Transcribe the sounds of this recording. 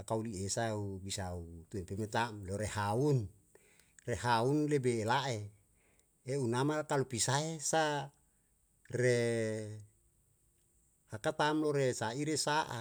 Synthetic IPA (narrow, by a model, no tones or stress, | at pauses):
akauliesaubisaut̪uɛmpemet̪amloɾehaun | rehaunlebeːlaʔe | eunamakalupisaesa | re | hakat̪amloɾesaiɾesaʔa̰